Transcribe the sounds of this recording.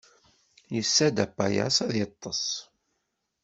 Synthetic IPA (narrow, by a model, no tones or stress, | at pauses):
jəsːæd̪æpːajæ̰sæðjət̪ˤːɑsˤ